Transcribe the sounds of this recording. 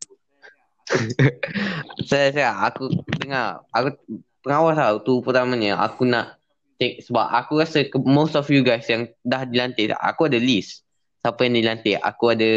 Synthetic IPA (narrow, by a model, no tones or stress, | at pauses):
sasaaa̰kudəŋaraku | pəŋawasat̪upərt̪amãɲəʔa̰kunaʔ | t̪ɛk̚səbap̚ʔakukasəkmostɔfjuɡajsjaŋdahdilant̪ɪʔa̰kuadəlisː | apəjaŋdilant̪ɪʔa̰kuada